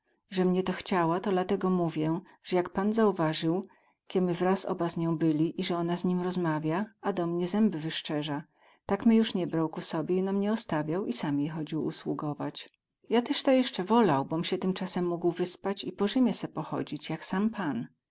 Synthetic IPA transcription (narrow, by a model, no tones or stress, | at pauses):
ʐɛmɲɛt̪ɔxt͡ɕawat̪ɔd̪lat̪ɛɡɔmuvʲjɛ | ʐ̥ɛjakpanzauvaʐɘw | kʲɛmɘvɾasɔ̰bazɲɔ̃w̃bɘlʲiʔiʐɛɔnazɲimɾɔzmavʲjaad̪ɔmɲɛzɛmbɘvɘʂt͡ʂɛʐa | t̪akmʲɘjuʂɲɛbɾawkusɔbʲjɛinamɲɛɔst̪avʲjawisamjejxɔd͡ʑiwṵswuɡɔvat͡ɕ | jat̪ɛʂt̪ajɛʂt͡ʂɛvɔlawbɔmɕɛt̪ɘmt͡ʂasɛmːuɡwvɘspat͡ɕipɔʐɘmʲjɛsɛpɔxɔ̰d͡ʑit͡ɕjaksampʰan